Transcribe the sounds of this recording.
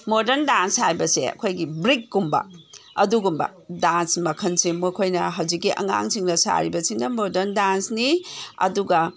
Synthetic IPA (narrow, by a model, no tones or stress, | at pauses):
modɐɾndanshajbɐsḛɐ̰kʰojɡibɾikːumbɐ̰ɐduɡumbɐ̰ | dansmɐkʰɐnsimokʰojnɐɦɐwd͡ʒikːiʔɐ̰ŋa̰ŋsiŋnɐsa̰ɾibɐsiŋnɐmodɐɾndansniɐ̰duɡɐ